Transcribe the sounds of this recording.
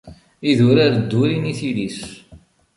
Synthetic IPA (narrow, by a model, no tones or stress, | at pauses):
iðʊɾaɾəd̪ːʊɾiniθilis